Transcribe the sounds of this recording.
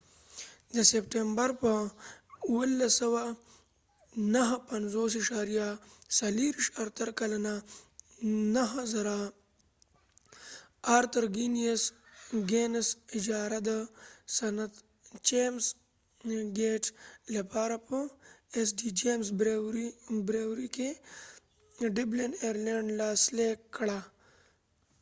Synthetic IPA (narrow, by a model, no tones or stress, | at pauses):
d̪əsep̚ʈembaɾpə | uwəlːasɐwa | naɦpɐnzoːsiʃaːɾijasɐliɾiʂaɾt̪əɾkalana | naɦazaɾa | aːɾt̪əɾɡinijesɡeːnsid͡ʒaːɾad̪əsɐnɐt̪ | t͡ʃeːms | ɡeːʈlɐpaːɾapəesɖid͡ʒeːmsbɾeɾibɾeːwɾike | ɖibleneɾleɳɖlaːslekːɽa